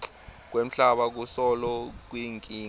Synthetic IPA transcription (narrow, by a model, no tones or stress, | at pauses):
k̬wem̩ɬaɓak̬usɔlɔk̬wiŋkʼiːŋ